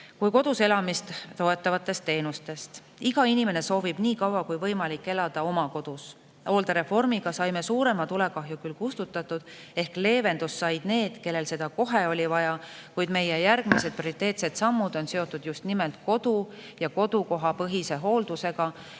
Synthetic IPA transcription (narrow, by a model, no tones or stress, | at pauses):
kujko̞d̪̥use̞lɑmist̪t̪o̞e̞t̪ːˑɑvɑt̪ːˑe̞st̪ːe̞ːnust̪e̞st̪ | iɡ̥ɑinime̞ne̞so̞ːvib̥niːkɑwɑkujvɤjmɑlikːˑe̞lɑd̪̥ɑo̞mɑko̞d̪̥us | o̞ːld̪ɑɾe̞fo̞rmiɡ̥ɑsɑjme̞suːɾe̞mɑt̪ulekɑɦjukylkust̪ut̪ːˑɑt̪ːud̪̥e̞hkle̞ːve̞nd̪usːɑjd̪̥ne̞ːd̪̥ke̞lːe̞lse̞d̪̥ɑko̞ɦe̞o̞lʲivɑjɑkujd̪me̞jejæɾɡ̥mise̞d̪̚proɾit̪ːˑe̞ːt̪se̞t̪sɑmːud̪̥o̞nse̞o̞t̪ːˑud̪̥just̪nimelt̪ko̞d̪̥u | jɑko̞d̪̥uko̞ɦɑpɤɦise̞ɦo̞ːld̪̥use̞ɡ̥ɑ